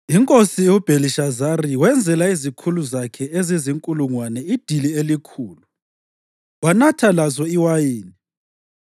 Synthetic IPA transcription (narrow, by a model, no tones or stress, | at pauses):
iŋkʼosiub̥ʱeliʃazariwɛnd͡zʱɛlaizikʰuluzakʰɛeziziŋkʼuluŋwanɛid̥ʱilielikʰuːlu | wanatʰalazɔiwajiːni